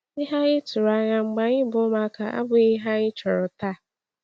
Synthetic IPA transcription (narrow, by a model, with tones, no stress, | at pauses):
ɪ˦ɦa˦ɪ˦tʊ˨ɾa˨˦ɲa˨ŋ͡m̩˨ɡ͡ba˨ɲɪ˦bʊ˦ma˦ka̰˨a̰˦bʊ˨ɪ˦ɦa˦ɪ˦t͡ʃɔ˨ɾʊ˨ta˦˨